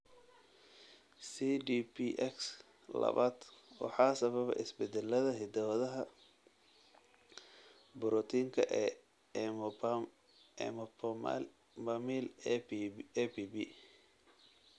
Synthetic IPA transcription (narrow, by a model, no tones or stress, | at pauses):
sidipʰiʔɛks | lɐ̰βaːd̪̥wɑ̰ħɑːsɐβɐβɐ̰ʔɪsbɛd̪ɛlːɐðɐɦɪd̪ɐwɐðɐɦɐ | bʊɾɔt̪ʰiːŋkʰɐʔɛː | ɛ̰mpʰɔma̰l | mɐmiːl | ɛpibi